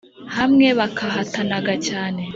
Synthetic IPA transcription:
hamŋe̞βakʰaɦatanaɡacaːne̞

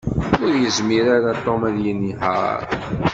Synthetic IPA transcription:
ʊɾjəzmiɾaɾat̪ˤːomæðjiniɦə̰ɾ

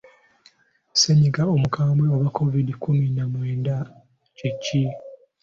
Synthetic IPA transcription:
seɲiɡao̞mukaːmbweoβakʰːo̞vidikuminamweːnda | cicːi

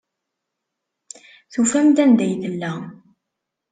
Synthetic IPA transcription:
θufæmd̪ænd̪æjθəlːæ

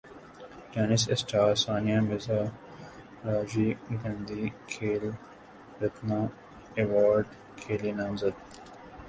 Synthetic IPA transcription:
d͡ʒaːnɪsɪsʈaːɾsaːnijãːbɪzaː | ɾaːd͡ʒiːɡɐ̃nd̪iːkʰeːl | ɾɐt̪nãː | eʋaːɾɖ | kʰeːliːnãmzəd̪

